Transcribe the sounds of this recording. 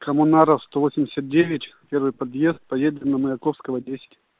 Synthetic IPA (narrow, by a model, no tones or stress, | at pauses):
kɐmʊnaɾəfst̪ovosʲɪmʲdʲɪ̥sʲət̪̚dʲevʲɪtʲpʲeɾvɨjpɐd̪jest̪̚pɐjed̪ʲɪmnɐməjɪkofskəvədʲesʲɪ̥tʲ